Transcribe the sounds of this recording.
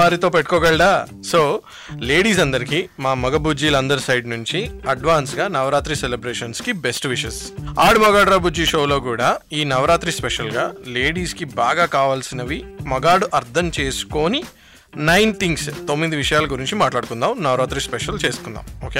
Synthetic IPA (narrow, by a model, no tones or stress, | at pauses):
ʋaːɾit̪o̞ːpeʈːu̥kɔːɡɐɭɖaːso̞ː | le̞ːɽiːsɐnd̪ɐɾikimaːmɐɡɐbud͡ʒiːlɐɐnd̪ɐɾisɐjɖnuɲt͡ʃiɐɖʋaːnsɡaːnɐʋɾaːt̪ɾiselebɾeːʂɐnskibesʈʋiʃɐsaːɽmɐɡaːɽɾɐbud͡ʒiʂo̞ːlo̞ːk̬uːɽaːiːnɐʋɾaːt̪ɾispeʃɐlɡaːle̞ːɽiːskibaːɡaːkaːʋaːlsinɐʋimɐɡaːɽuʔɐɾt̪ʰɐmt͡ʃe̞ːsu̥ko̞ːni | nɐjnt̪ʰiŋɡst̪o̞mːid̪iʋiʂɐjaːlɐɡuɾiɲt͡ʃimaːʈlaːɽuk̪und̪aːmnɐʋɾaːt̪ɾispɛʂɐlt͡ʃe̞ːsu̥kund̪a̰ːmoːkeː